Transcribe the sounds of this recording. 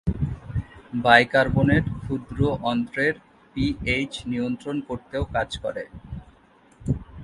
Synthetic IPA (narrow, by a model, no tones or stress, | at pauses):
bajkaɾboneʈkʰud̪ɾoʔɔnt̪ɾeɾ | piejt͡ɕnijont̪ɾonkoɾt̪eokad͡ʑkɔ̰ɾe